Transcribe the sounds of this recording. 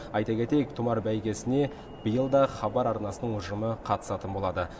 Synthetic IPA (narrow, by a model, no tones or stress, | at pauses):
ɑjt̪ɑkʲʰe̞t̪e̞jek̚t̪ʰʊmɑɾbæjkʲe̞sɪne̞ | b̥əjəlˠd̪ɑχɑbɑɾɑɾnɑsənəɴʊʒəməqʰɑt̪ə̥sɑt̪ənbo̞lˠɑd̪ə